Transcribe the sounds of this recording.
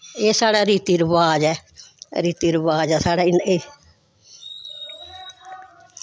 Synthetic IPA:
eːsaːɽaːɾiːt̪iɾəʋaːd͡ʒɛːɾiːt̪iːɾəʋaːd͡ʒɛːsaːɽaːɪneː

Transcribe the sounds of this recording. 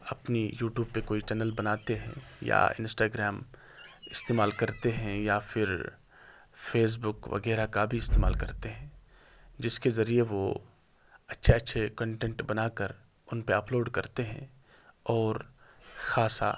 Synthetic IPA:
ɐpnijuːʈjuːb̚pekoːit͡ʃɛːnəlbɐnaːt̪eɦɛ̰̃ja̰ɪ̰̃nsʈaːɡɾɛːm | ɪst̪eːmaːlkɐɾt̪eɦɛ̃jafʰɪɾ | feːs̬bʊkʋʔɐ̰ɣɛːɾakabʱiɪst̪eːma̰ːlkɐɾt̪eɦɛ̃ː | d͡ʒɪskezɐɾieʋo | ɐtːʃʰeɐtːʃʰekə̃ɳʈɛ̃ɳʈbɐnaːkəɾ | ʊnpeɐploːɖkɐɾt̪eɦɛ̰̃ | ɔːɾxaːsa̰

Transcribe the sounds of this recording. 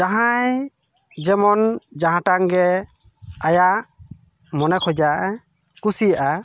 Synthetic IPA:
d͡ʒaɦaj | d͡ʒɛmɔnd͡ʒaɦãʈaŋɡɛ | ajaʔ | mɔnɛkʰɔjd͡ʒaʔɛ | kusijaʔa

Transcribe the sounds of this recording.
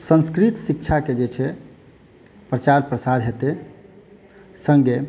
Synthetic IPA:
sə̃nskɾit̪sik̚t͡ʃʰaked͡ʒet͡ʃʰɛ | pɾət͡ʃaɾpɾəsaɾɦet̪e | sə̃ŋɡe

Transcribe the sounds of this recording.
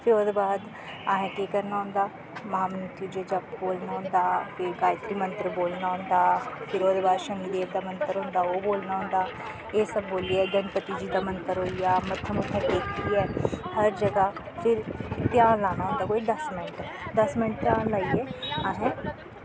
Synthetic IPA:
pʰɪɾoːd̪baːd̪ | aːɦɛ̃ːʈeːkəɾnaːɦʊ̃nd̪aː | maːmnʊt̪uːd͡ʒeːd͡ʒəbboːlnaːɦʊ̃nd̪aːpʰɪɾɡaːjt̪ɾiːmə̃nt̪ɾəboːlnaːɦʊ̃nd̪aːpʰɪɾoːd̪baːd̪ʃəniːd̪eːʋd̪aːmənt̪əɾɦʊ̃ːnd̪aːoːboːlnaːɦʊ̃ːnd̪aː | eːsəbːoːliɛːd͡ʒənpət̪id͡ʒiːd̪aːmənt̪əɾɦoːijaːmət̪ʰːəmʊkʰːəd̪eːkʰiɛːhəɾd͡ʒəɡa | pʰɪɾt̪ɪjãːnlaːnaːɦːnd̪aːkoːid̪əsmɪnʈ | d̪əsmɪnʈt̪jãːnlaːiɛːaːɦɛ̃ː

